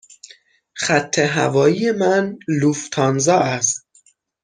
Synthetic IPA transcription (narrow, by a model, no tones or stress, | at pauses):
χæt̪ʰːeɦæ̰vɒːjiːjemænluft̪ʰɒːnzɒːʔæst̪